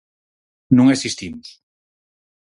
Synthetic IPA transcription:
nũŋesist̪imus

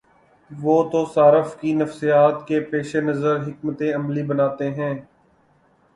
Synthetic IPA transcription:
ʋoːt̪osaːɾəfkinəfsijaːt̪kepeːʃenɐzəɾɦɪkmət̪eɐmlibənaːt̪eɦɛ̃ː

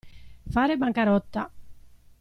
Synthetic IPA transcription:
faːɾebaŋkaɾɔt̪ːa̰

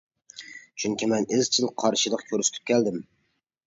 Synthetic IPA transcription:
t͡ʃʰyŋkʲimɛnɪzt͡ʃʰɪlˠqʰɑɾʃɨlˠəqkʲʰøɾsɪ̥t̪ʰɪ̥p̚kʲʰɛld̪ɪm

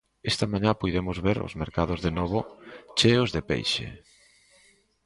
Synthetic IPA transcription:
est̪ɐmãɲãpujðemʊzβeɾo̰zmeɾkaðʊzðenɔβʊt͡ʃeozðepḛjʃḛ

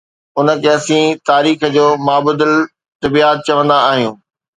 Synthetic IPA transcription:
ʊnə̆kɛːsĩt̪aːɾiːx̆d͡ʑoːmaːbʊd̪əl | t̪ɐbiːaːt̪̚t͡ɕɐʋə̃nd̪aaːɦijũː

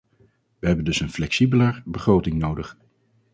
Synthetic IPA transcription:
ʋəɦɛbəndɵsənflɛksibələɹbəχrowtɪŋnowdəχ

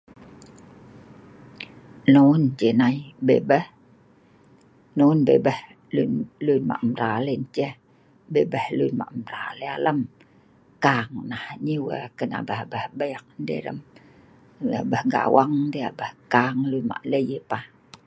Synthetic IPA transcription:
nond͡ʒənaibebəh | nounbebəh | lunlunma̰ʔmɾalent͡ʃə | bebəhlunma̰ʔmɾa̰lealəm | kaŋnahɲiwə̰kəna̰bəhbəhbəjk̚ndḛɾə̰m | abəhɡa̰waŋndea̰bəhkaŋlunma̰ʔləjəpah

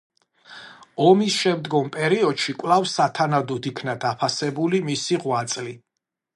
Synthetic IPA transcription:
ɔmisʃɛmd̪ɡɔmpʼɛɾiɔd̪ʃikʼwlˠafsat̪ʰanad̪ɔd̪ikʰnad̪apʰasɛbulimisiʁwat̪sʼli

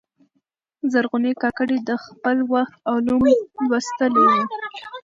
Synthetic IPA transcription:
zaɾɣʊnekɑkəɽed̪əxpəlwaxt̪̚awlumlwəst̪əlew

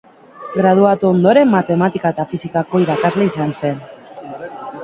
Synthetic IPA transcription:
ɡɾað̞uat̪uond̪o̞ɾe̞mmːat̪e̞mat̪ikaet̪afisikako̞iɾakazle̞isanse̞n

